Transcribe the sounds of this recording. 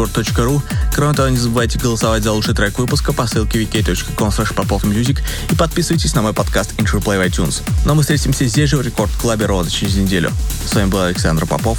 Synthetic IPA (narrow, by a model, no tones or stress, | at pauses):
ort̪ːo̞t͡ɕkəɾukɾomɪt̪ɐvonʲɪzəbɨvajtʲɪɡəlˠəsɐvatʲzɐlˠuʂɨjt̪ɾɛkvɨpʊskəpɐsɨlˠkʲɪvʲɪkʲejt̪ot͡ɕkəkonslˠɛʂpɐpofɨmjuzʲɪk | ipɐt̪̚pʲisɨvəjʲtʲɪsʲnɐmo̞jpɐt̪kast̪inʂəplˠevɐjtʲunsnomɨst̪ɾʲetʲɪmsʲəzʲdʲezʐɨvɾʲɪko̞rt̪klˠabʲɪɾod̪ət͡ɕɪɾʲɪzʲnʲɪdʲelʲʊ̰svamʲɪbɨlˠɐlʲɪksand̪ɾəpɐ̰pof